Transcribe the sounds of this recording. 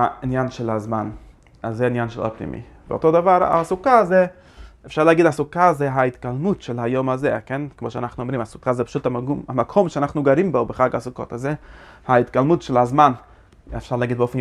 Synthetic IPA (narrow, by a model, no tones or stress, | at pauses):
ainjanʃelazman | azeinjanʃela̰pnḭmʔḭ | bḛo̰todavaɾa̰sukazɛ | efʃaɾleaɡidasukazɛɦait̪kalmutʃelajomazekenkmoʃea̰naχnuomɾimasu̥kazɛpḁʃutaamakʰomʃɛanaχnuɡaɾimbobeχaɡasuko̰tazehait̪kalmutʃelazman | efʃaɾleaɡid̪̚beofen